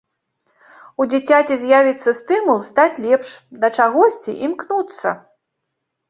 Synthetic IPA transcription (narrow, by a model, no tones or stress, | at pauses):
ud͡zʲit͡sʲat͡sʲizʲjavʲit̪sːɐst̪ɨmulˠst̪at͡sʲlʲɛpʂd̪ɐt͡ʂaɣɔsʲt͡sʲḭʔimknut̪sːɐ̰